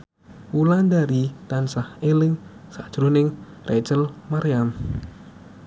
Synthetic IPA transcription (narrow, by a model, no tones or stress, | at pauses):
wuland̪aɾit̪ansahelɪŋsa̰̥ʒ̥ɾunɪŋ | rʔɛ̰̥t͡ʃəlmaɾijam